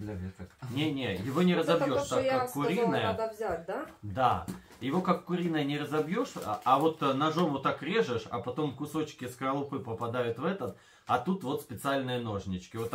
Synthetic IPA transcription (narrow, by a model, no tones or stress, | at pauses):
lʲt̪nʲenʲejɪvo̞nʲɪɾəzɐbjo̞ʂt̪akːakkːʊɾʲinːəjəvzʲad̪ad̪a | jɪvo̞kakːʊɾʲinəjənʲɪɾəzɐbjo̞ʂavo̞t̪nɐʐo̞mʊt̪akɾʲe̞ʐɨʂɐ̰pɐt̪o̞mkʊso̞t͡ɕkʲɪskəɾəlˠʊpɨpəpɐd̪ajʊt̪vɛt̪ət̪ | ɐt̪ut̪vo̞t̪spʲɪt̪sɨalʲnɨjəno̞ʐnʲɪt͡ɕkʲɪvot̪